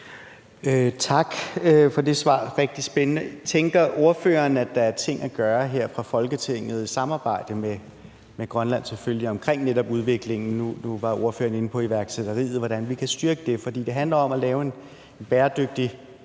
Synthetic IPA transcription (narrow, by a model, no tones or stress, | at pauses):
øt͡sʰɑ̈ɡ̥fɒ̽de̝sʋɑ̰̈ːʁeɡ̥̚d̥isb̥enənət͡sʰeŋɡ̥ɐʔo̝ɐfø̰ːɐːnæd̥ɑ̈æɐt͡sʰe̝ŋ̰æɡ̥ɶːɐɦeɐ̰fʁɑ̈fɒ̽lɡ̥ət͡sʰe̝ŋ̰ð̞̩ˠisɑ̈mɑ̈ːb̥ɑ̈ɪ̰d̥əme | meɡ̥ʁɶnlæn̰selføljiɒ̽mkʰʁeŋ̰neɾɒ̽b̥uðˠʋe̝ɡ̥le̝ŋn̩nunuʋɑ̈ʔo̝ɐfø̰ːɐne̝n̩pʰɒ̽iʋæɐɡ̥sed̥ɐʁḭːð̩ˠʋɒd̥ænʋikʰæsd̥yɐɡ̥əd̥e̝fɒ̽d̥ḭːd̥e̝ɦænlɐɒ̽mælɛːʊe̝n | enb̥æːɐd̥øɡ̥̚d̥i